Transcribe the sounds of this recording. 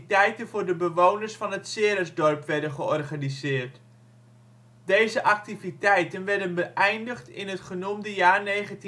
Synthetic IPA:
tɛjtənvʊːɹdəbəʋoːnərsfɑnɦətsɪːɾəzdɔrpʋɛɹdənχəɔrχanizɪːərt | d̥ejzəʔak̚tivitɛjtənʋɛrdənbəʔɛjndəχtɪ̰nətχənumdəjaːrneːɣənt

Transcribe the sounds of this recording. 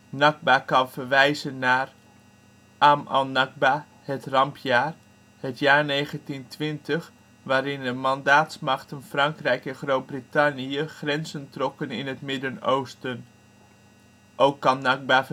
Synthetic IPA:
naɡ̚bakɑnfərʋɛjzənːaːr | ʔama̰lˠnaɡ̚ba | hətrɑmpʰjaːr | hətjaːrneːχəntintʰʋɪntəx | ʋaːɾɪndəmandaːtsmaχtənfrɑŋkrɛjkɛnχroːt̚britaniəχrɛnzəntrɔkənɪnətmɪdənowstən | ʔowkːɑnnaɡ̚ba

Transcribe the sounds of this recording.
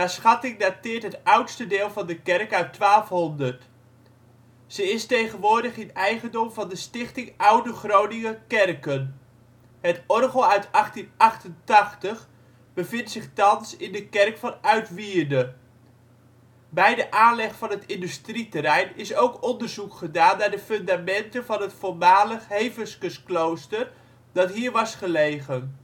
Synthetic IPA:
asχɑtɪŋdatɪːɹtɦətʌwtstədɪːlˠvɑndəkɛrkœɥtːʋaːlˠfɦɔndərt | z̥əɪstejχənʋʊːɹdəχɪnɛjχəndɔmvɑndəstɪχtɪŋʔʌwdəχrownɪŋəkɛrkən | ɦətɔrχowœɥtɑχtinʔɑχtəntɑχtəχ | bəvɪntsɪχtɑnsɪndəkɛrkfɑnœɥtʋiːɹdə | bɛjdəʔaːnlɛχfɑnɦətɪndystritəɾɛjnɪsowkɔndəɹzukχədaːnːaːɹdəfɵndamɛntənvɑnɦətfʊlmaːləχɦejvəskəsklowstər | d̥ɑtɦiːɹʋɑsχəlejχən

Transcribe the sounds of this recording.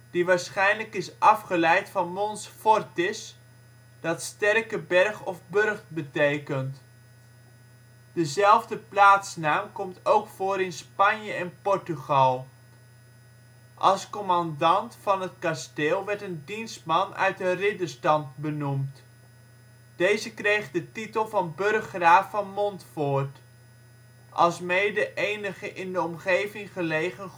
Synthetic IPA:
d̥iʋaːɹsχɛjnləkɪsʔɑfχəlɛjtfɑnmɔnsfɔrtɪs | d̥ɑtstɛrkəbɛrχɔfbørχtbətejkənt | d̥əzɛlˠvdəplaːtsnaːmkɔmtowkfoːɾɪnspɑnjəɛnpɔɹtyχɑlˠ | ʔɑ̰lˠskɔmɑndɑntfɑnət̚kasteːlˠʋɛɹtəndinstmɑnœ̰ɥt̚dərɪdəstɑntbənumt | d̥ejzəkrejχdətitəlˠvɑnbɵrχraːfɑnmɔntfʊːɹt | ʔɑ̰lˠsmejdəʔejnəχəʔɪndəɔmχejvɪŋχəlejχən

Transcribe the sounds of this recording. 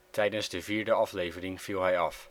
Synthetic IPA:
tʰɛjdənzdəviːɹdəɑflejvərɪŋv̥ilˠɦɛjɑf

